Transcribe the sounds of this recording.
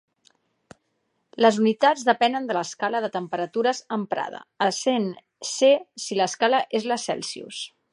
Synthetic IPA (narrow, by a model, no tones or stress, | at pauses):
ləzunit̪ad͡zðəpɛnənd̪ələskaləðət̪əmpəɾət̪uɾəzəmpɾa̰ð̞ə̰əsen | sesiləskaləʔezləsɛ̰lˠsiṵs